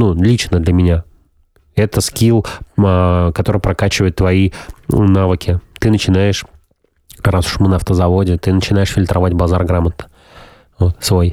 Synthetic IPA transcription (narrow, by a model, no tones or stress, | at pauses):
nulʲit͡ɕnəd̪lʲəmʲɪnʲa | ɛt̪əskʲilˠəkɐt̪o̞ɾɨjpɾɐkat͡ɕɪvəjɪt̪ːvɐinavɨkʲɪt̪ɨnət͡ɕɪnajɪʂ | ɾasʊ̥ʂmɨnɐft̪əzɐvo̞dʲɪt̪ɨnət͡ɕɪnajɪʂfʲɪlʲt̪ɾʔɐvatʲbɐzarɡɾamət̪̚nə̥ | vo̞t̪svo̞j